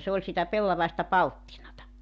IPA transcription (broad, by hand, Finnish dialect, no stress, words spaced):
se olʲ sitæ pelːɑʋɑestɑ pɑltːinɑtɑ